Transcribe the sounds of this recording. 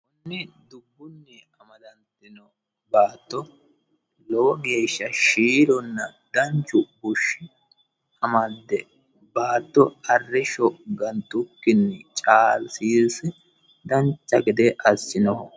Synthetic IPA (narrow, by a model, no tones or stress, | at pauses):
kʊnːɛ | d̪ʊbːʊnːɛ | ɐmɐd̪ɐnt̪ɪnɔ | baːt̪ːɔ | lɔwɔɡe̞ːʃːɐʃiːɾɔnːɐd̪ɐnt͡ʃːʊbʊʃːɪ | ɐmɐd̪ːɛ | baːt̪ːɔɐrːɪʃɔɡɐnt̪ːʊkːɪnːɛt͡ʃʼaːlsiːsɛ | d̪ɐnt͡ʃːɐɡɪd̪ɛʔɐsːɪnɔhɔ